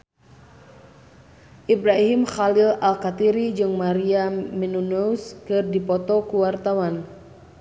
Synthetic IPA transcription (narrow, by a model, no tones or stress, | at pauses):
ʔibɾaɦimxalilalkat̪iɾid͡ʒɨŋmaɾiamɛnunɔuskɨrdipɔt̪ɔkuwart̪awan